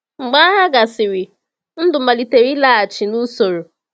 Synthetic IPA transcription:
ŋ͡m̩˨ɡ͡ba˦ɦa˦ɡa˨sɪ˨ɾɪ˨ | n̩˦dʊ˨ma˨li˨te˨ɾi˦la˦a˨t͡ʃi˨nu˦so˨ɾo˨

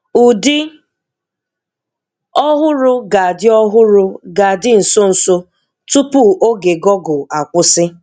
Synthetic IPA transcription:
u˨dɪ˦ | ɔ˦ɦʊ˦ɾʊ˦ɡa˨dɪ˦ɔ˦ɦʊ˦ɾʊ˦ɡa˨dɪ˦n̩˨so˦n̩˨so˦ | tu˦pu˦ʔo˦ɡe˨ɡɔ˦ɡʊ˨a˨kʷʊ˦sɪ˦

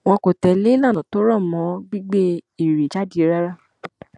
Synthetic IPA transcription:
w̃ɔ̃˧ko˨tɛ˨le˦i˦la˦˨ã˨to˨˦ɾɔ˦˨mɔ̃˨˦ɡ͡bi˦ɡ͡be˦i˦˨ɾi˨t͡ʃa˦di˦˧ɾa˦ɾa˦˨

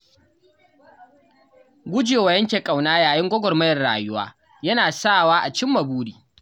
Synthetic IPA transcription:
ɡʷʊ˦d͡ʒeː˨wɐ˨jɐ˦ŋkʲeː˨kʼa˨wnaː˦jaː˨jɪ˦ŋɡʷɔ˦ɡʷɔ˨rmɐ˦jɐ˨rɽa̰ː˨jʊ˦waː˦ | jɐ˦naː˨sa˦waː˦ʔa˨t͡ʃɪ˦mːɐ˨buː˦ɽiː˨

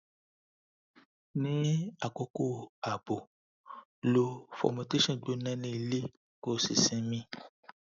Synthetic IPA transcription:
nĩ˦a˨ko˦ko˦˨a˨bo˨ | lo˦fɔ̰˨ma˨te˦ʃɔ̃˦˨ɡ͡bo˨˦nɛ̃˦nĩ˦˨le˦ | ko˦˨si˨sĩ˦mĩ˦

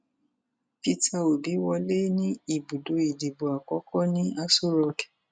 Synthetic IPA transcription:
pi˧˦ta˧o˨bi˨˦wɔ˧le˦nĩ˦i˨bu˨do˧i˨di˨bo˨a˨kɔ˨˦kɔ˦nĩ˦a˦su˦ɾɔ˧kɛ˨

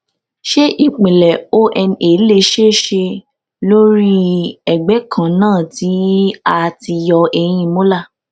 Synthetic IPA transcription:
ʃe˦ʔi˨k͡pĩ˨lɛ˨o˦ʔɛ˧ne˨˦le˦˧ʃe˦ʃe˧ | lo˦ɾi˦ɛ˨ɡ͡bɛ˨˦kʰã˨nãː˦˨ti˨˦a˧ti˧jɔ˧ɛ˧j̃ĩ˧mõ˦la˦˨

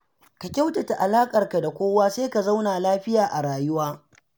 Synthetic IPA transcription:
ka˨kʲa˦wta˨ta˨ʔa˨laː˦kʼɐ˨rka˨da˨kʷoː˦waː˦seː˦ka˨za˦wnaː˨laː˦ɸɪ˦jaː˨ʔa˨ɾaː˨jʊ˦waː˦

